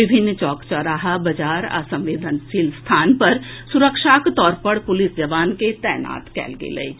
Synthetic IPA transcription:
ʋɪbʱɪnːt͡ʃɔːkt͡ʃəɾaːɦabɐd͡ʒaːɾa̰ːsə̃mʋeːd̪ʱənʃiːlst̪ʰaːnpɐɾsʊɾəkʃaːkt̪ɔːɾpɐɾpʊlɪsd͡ʒɐʋaːnket̪ɛːna̰ːt̪kɛ̰ːlɡḛlḛi

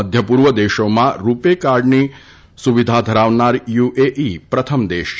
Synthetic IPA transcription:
əd̪ʱjəpuːɾʋəd̪eːʃomãɾupekaɾɖni | suʋid̪ʱad̪ʱəɾaːʋnaɾjuʔeʔipɾɐt̪ʰəmd̪eːʃ

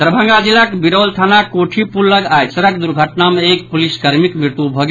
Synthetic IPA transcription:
t̪ɾəbʱə̃ŋɡad͡ʒilakbiɾəwlt̪ʰanakoʈʰipulːəɡajsəɾəkd̪uɾɡʱəʈnameekpuliskəɾmikmɾiɾt̪ubʱɔɡ

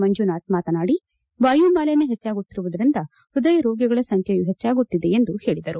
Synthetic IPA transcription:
mɐɲd͡ʒunaːt̪̚maːt̪ɐnaːɽi | baːjuːmbaːlenːeɦet͡ʃːaːɡut̪ːiɾuʋud̪ɐɾind̪ɐ | ɾud̪ɐjɐɾoːɡjɐɡɐɭɐsɐŋkʰejuɦet͡ʃːaːɡut̪ːid̪e̞end̪uhe̞ːɭid̪ɐɾu

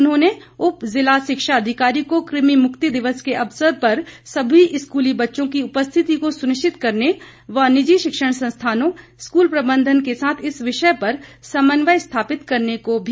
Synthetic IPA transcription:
ʊnɦõːneʊpzɪlaʃɪkʃaɐd̪ʱɪkaːɾikokɾɪmimʊkt̪id̪ɪʋəskeʔɐpsəɾpɐɾsɐbʱiʔɪskuːlibɐtːʃõk̬iʊpəst̪ʰɪt̪ikosʊnɪʃt͡ʃɪt̪kɐɾne | ʋɐnɪd͡ʒiʃɪkʃəɽ̃sɐ̃nst̪ʰaːnõskuːlpɾɐbə̃nd̪ʱənkesaːt̪ʰɪsʋɪʃəpɐɾsɐmənʋəjst̪ʰaːpɪt̪kɐɾnekobʱi

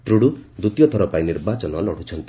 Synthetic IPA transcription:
t̪ɾuɽud̪ut̪ijɔt̪ʰɔɾɔpainiɾbat͡ʃɔnɔlɔɽ̤ut͡ʃʰɔnt̪i

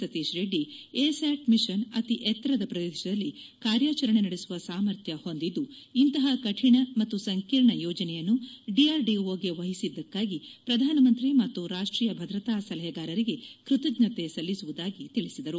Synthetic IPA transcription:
sɐt̪iʃɾeːɖieːsaːʈmiʃɐnɐt̪iʔɛt̪ːɐɾɐd̪ɐpɾɐd̪ed̪iʃɐd̪ɐlːikaːɾjaːt͡ʃɐɾɐɳenɐɽesuʋɐsaːmɐɾt̪ʰjɐho̞nd̪id̪ːuːnt̪ɐɦɐkɐʈʰiɳɐmɐt̪ːusɐŋkiːɾɳɐjɔːd͡ʒɐnɛjɐnːuɖiaːɾɖiʋoːɡe̞ʋɐɦisid̪ːɐkːaːɡipɾɐd̪ʱaːnɐmɐnt̪ɾimɐt̪ːuɾaːʂʈɾiːjɐbʱɐd̪ɾɐt̪aːsɐlɐɦɛɡaːɾɐɾiɡe̞kɾut̪ɐɡnɐt̪e̞sɐlːisuʋud̪aːɡit̪iɭisid̪ɐɾu

